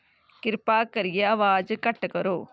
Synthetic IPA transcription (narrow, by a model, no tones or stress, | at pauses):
kɪɾpaːkːɐɾɪjɐɐʋaːd͡ʒɯkɐʈːɐkɐɾoː